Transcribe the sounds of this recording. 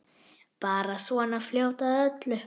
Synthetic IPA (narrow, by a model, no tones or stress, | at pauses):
paːɾasvɔnafljowt̪aðœt̪lʏ